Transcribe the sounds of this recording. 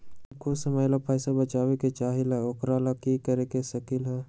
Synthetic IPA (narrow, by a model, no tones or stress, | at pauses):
kosəmajlapʰaːjsabət͡ʃaːweket͡ʃaːɦilaokɾaːlakikəɾekesɐkilɦɛ